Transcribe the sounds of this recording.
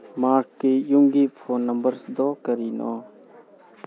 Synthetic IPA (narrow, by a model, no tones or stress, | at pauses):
maɾkːijuŋɡipʰonːɐmbəɾsd̪ɔkɐɾinɔ̰